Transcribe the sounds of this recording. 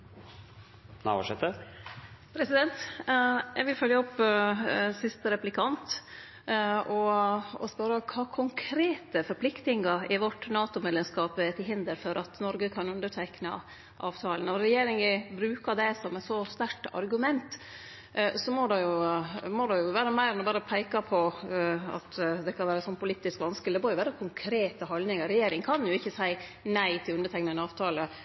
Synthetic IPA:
næ̰ʋɑ̰ʂɛt̪ə | pʰɾɛsɪd̪ɛnt̪ | jæ̰ɪɡʋɪlfœljəɔpː | sɪst̪əɾɛplɪkʰɑnt̪ | ɔɔ̰spœɾəkʰɑːkʰʊŋkʰɾeːt̪əfɔɾpʰlɪkt̪ɪŋɑɾɪʋɔʈːnɑːt̪ʊmɛlːəmskɑːpɛt̪ʰɪlɦɪnd̪əɾfɔɾʔɑt̪nɔɾɡəkʰɑnʉnd̪əʈʰɛknɑ̰ | ʔɑːʋt̪ʰɑːlənɔɾɛjeːɾɪŋəbɾʉːkɑd̪ɛsɔmɛt̪sɔst̪æʈɑ̰ɾɡʉmɛnt̪ | sɔmɔɖ̪ɛjʊmɔd̪ɛjʊʋæːɾəmæɪɾɛnɛbɑːɾəpʰæɪkɑpʰɔ | ɑ̰t̪d̪ɛkʰɑnʋæːɾəɛsɔnːpʰʊliːt̪ːɪskʋɑnskəlɪd̪ɛmɔɾjʊʋæːɾəkʰʊŋkʰɾeːt̪əɦɔld̪nɪŋɑɾɛjeːɾɪŋkʰɑnjʊɪçːəsæɪnæɪt̪ʰɪlʉnd̪əʈ̪ʰɛɪknɑnəɑːʋt̪ʰɑːlə

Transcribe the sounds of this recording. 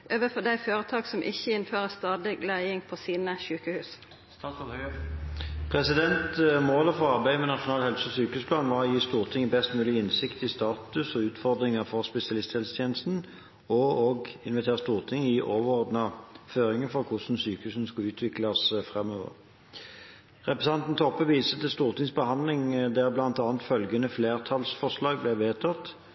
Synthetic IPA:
ʔøːʋəfɔd̪æɪføːʁət̪ʰɑːksɔmʔɪ̰çːəɪnføːʁəst̪ɑːd̪lɪɡlæɪɪŋpʰɔsiːnəʃʉːkəhʉːs | pʰʁɛsɪd̪ɛnt̪moːləfɔʁɑʁbæɪd̪əmɛnɑʃʊnɑːlhɛlsəɔsyːkəhʉːspʰlɑːnʋɑjiːst̪uːʁt̪ʰɪŋɪbɛst̪mʉːlɪɪnsɪkt̪ɪst̪ɑːt̪ʉsɔʉːt̪fɔʁd̪ʁɪŋəfɔʁspɛsɪɑlɪst̪ʰɛlst̪ʰjeːnəst̪n̩ | ɔɔɡɪnʋɛt̪ʰeːʁəst̪uːʁt̪ʰɪŋɪʔoːʋəʁɔʁd̪nɑføːʁɪŋəfɔʁkʰʊsn̩syːkʉsn̩skɑʉːt̪ʰʋɪklɑsfʁɛmøːʋə̰ʁ | ʁɛpʁɛsɑnt̪n̩t̪ʰɔpːəʋiːsət̪ɪlst̪uːʁt̪ʰɪŋsbəhɑnd̪lɪŋd̪ɛʁblɑnt̪ɑːnt̪fœlɡənəfleːʁt̪ʰɑlsfɔʁʂlɑːɡblɛʋeːt̪ʰɑt̪ː

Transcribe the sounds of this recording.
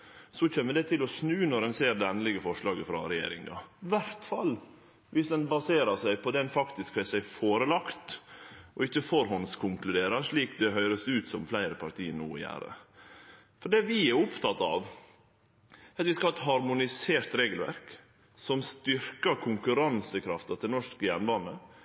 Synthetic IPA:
sɔçɛnːəd̪ɛt̪ʰɪlɔsnʉːnɔɾɛnseːɾd̪ɛɛnəlɪɡəfɔʂlɑːɡəfɾɑ̰ɾɛjḛːɾɪ̰ŋɑ̰ʋæɾt̪fɑlː | ʋɪsd̪ɛnbɑseːɾəsæɪpʰɔd̪ɛnfɑkt̪ɪskhœsæɪfoːɾəlɑkt̪ʔɔɪçːəfɔɾɦɔnskʰʊŋklʉd̪eːɾəʂɭiːkd̪ɛɦœʏɾəsʉːt̪sɔmflæɪɾəpʰɑɾt̪ʰiːənṵːɔ̰jæ̰ːɾə̰ | fɔɖɛʋɪɛɾʊpt̪ʰɑt̪ɑ̰ʋ | ɑt̪ʋɪskɑhɑːɛt̪ɦɑɾmʊnɪseːɾt̪ɾeːɡəlʋæ̰ɾk | sɔmst̪ʏɾkɑkʰʊŋkʉɾɑnsəkʰɾɑft̪ɑt̪ʰɪlnɔʂkəjæɳbɑːnə

